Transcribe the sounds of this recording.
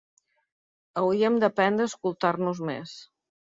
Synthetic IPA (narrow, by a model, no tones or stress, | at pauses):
əwiəmd̪əpɛnd̪əskulˠt̪arnuzmḛs